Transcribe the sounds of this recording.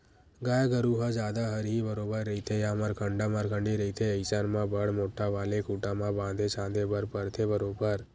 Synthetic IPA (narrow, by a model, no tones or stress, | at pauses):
ɡajɡəɾuɦãd͡ʒad̪aɦəɾɦibəɾobəɾːəit̪ʰejãməɾkʰəɳɖamaɾkʰəɳɖiɾəit̪ʰeəɪsanmãbəɽmoʈːaʋalekʰuʈamãbãd̪ʱet͡ʃʰãd̪ebəɾpəɾt̪ʰebəɾobəɾ